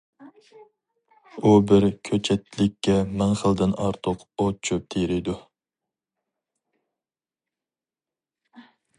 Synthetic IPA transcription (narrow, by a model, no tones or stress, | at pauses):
ubɪɾkʲʰøt͡ʃʰɛt̪ːlɪkʲʰːɛmɛŋχəld̪ɪnɑ̰ɾt̪ʰʊqot͡ʃʰøp̚t̪ʰeɾɪjd̪u